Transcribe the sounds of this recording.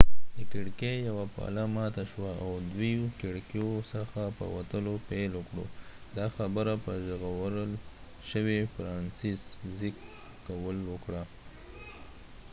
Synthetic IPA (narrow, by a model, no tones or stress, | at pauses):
d̪əkɪɽkejawapɑ̰lamɑt̪aʃwaawd̪wikɪɽkjosəxapə̰wa̰t̪əlopelwəkɽo̰d̪ɑxabəɾapəʒəɣawəɾəl | ʃəwefɾɑnsiszik | kawəlwəkɽa